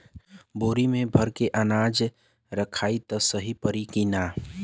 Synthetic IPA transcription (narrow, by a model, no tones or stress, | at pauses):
boːɾimẽbʱəɾkeʔənaːd͡ʒ | ɾəkʰaːit̪əsəɦipəɾikinaː